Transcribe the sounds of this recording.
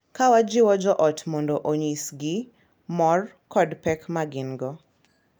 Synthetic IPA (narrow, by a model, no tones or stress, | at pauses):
kawad͡ʒɪwɔd͡ʒɔʔɔtmɔndɔʔoɲisɡɪ | mɔr | kɔdpɛkmaɡɪnɡɔ